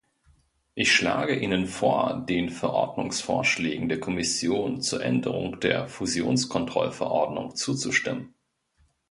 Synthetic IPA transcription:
ʔɪçʃla̰ːɡəʔiːnənfoːɐdeːnfɛɐʔɔɐdnʊŋsfoːɐʃlɛːɡŋ̩deːɐkʰɔmɪsjoːnt͡suːɐʔɛ̰ndəʁʊ̰ŋd̥eːɐfuzjo̰ːnskʰɔntʁ̥ɔlfɛɐʔɔɐdnʊŋt͡suːt͡suʃtɪmən

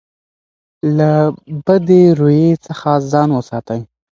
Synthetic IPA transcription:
labəd̪eɾojet͡səxazɑnwəsɑt̪aj

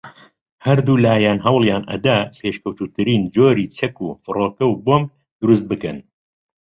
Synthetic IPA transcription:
hɐɾd̪uːlaːjaːnɦɐwlˠjaːnɐ̰d̪aseːʃkɐwt̪uːt̪ʰɨɾiːnd͡ʒoːɾiːt͡ʃʰɐkuːfɨroːkɐwboːm | d̪̥ʊɾust̪̚bɨkɐn

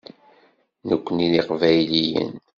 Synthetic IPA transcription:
nəkʷːəniliqvæjlijə̰n

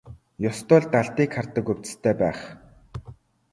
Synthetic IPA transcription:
jɔst̪ʊːɮt̪aɮt̪iːkʰːart̪ə̆kɵw̥ʲt͡sst̪ʰæːpæːχ

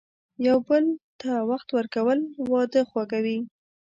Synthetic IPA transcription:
jawbəlt̪awaxt̪wəɾkawəlwɑd̪əxwakawi

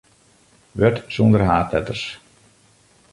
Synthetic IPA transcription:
ʋøtsund̪ərɦaːtɛ̰tərs

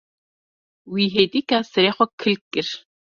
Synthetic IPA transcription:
wiːɦet̪ʼikasɐɾeːχʷɔkʰɨlkʼːɪr

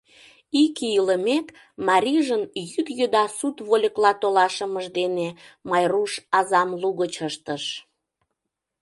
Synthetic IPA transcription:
ikiiləmek | mɑɾʲiʒənjyd̪jød̪ɑsut̪βolʲəklɑt̪olɑʃəməʒd̪enemɑjruʃɑzɑmluɣət͡ɕəʃt̪əʃ

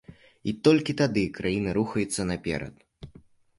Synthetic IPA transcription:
it̪ɔlʲkʲit̪ad̪ɨkɾʔajinɨɾuxɐjut̪sːɐnapʲɛ̰ɾɐ̰t̪

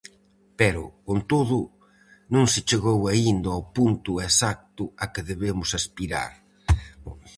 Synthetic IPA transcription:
pɛɾʊkont̪oðʊ | nõŋsɪt͡ʃeɣowaind̪ɐopunt̪ʊesak̚t̪ʊakɪðeβemʊsaspiɾa̰ɾ

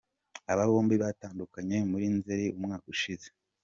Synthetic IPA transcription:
aβaβo̞ːmbiβataːndukaɲe̞muɾinzeɾeʔumŋaːkuʃize̥

